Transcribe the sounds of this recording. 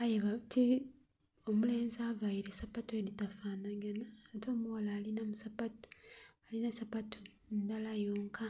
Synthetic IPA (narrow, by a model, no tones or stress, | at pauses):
ajeβati | omule̞ːnzavaiɾesapatoelitafaːnaɡanaːto̞ːmuwalaːlinamusapatu̥alinasapatʰo | ndalajo̞ːŋkʰa